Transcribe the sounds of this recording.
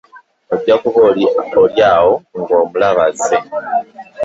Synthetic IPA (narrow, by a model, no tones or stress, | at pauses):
odɟakuβolioljaːwoŋɡo̞ːmulaβaze